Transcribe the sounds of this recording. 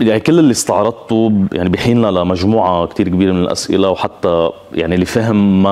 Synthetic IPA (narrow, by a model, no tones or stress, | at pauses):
janikɪlːɪlːist̪ɑʕɾˤɑd̪̚t̪ujʔaʕnibɪħiːnːalamaʒmuːʕakt̪iːɾkbiːɾemɪnɪlʔa̰sʔɪ̰lawħat̪ːa | ja̰ʕnilːifaɦɪmːa